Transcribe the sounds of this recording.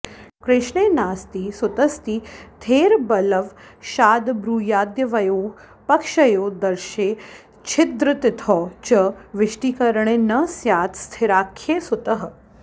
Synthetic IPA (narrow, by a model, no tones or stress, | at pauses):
kɾɪʃɳeːnaːst̪iːsut̪ɐst̪iːt̪ʰeːɾbɐləʋʃaːd̪bɾuːjaːd̪jɐʋɐjoː | pɐkʃɐjoːd̪ɐɾʃeː | t͡ʃʰɪd̪ɾɨt̪it̪ʰɔːt͡ʃɐʋɪʃʈiːkɐɾɳenɐsjaːt̪st̪ʰɪɾaːkʰːeːsut̪əɦə